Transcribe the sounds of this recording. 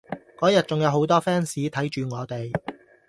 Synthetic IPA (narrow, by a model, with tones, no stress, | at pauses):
kɔː˨˥jɐ˨t̚t͡sʊ˨ŋjɐ˨˧wɦo˨˥wt̪ɔː˥fɛː˥nsiː˨˥t̪ʰɐ˨˥jt͡ʃyː˨ŋɔː˨˧t̪e˨j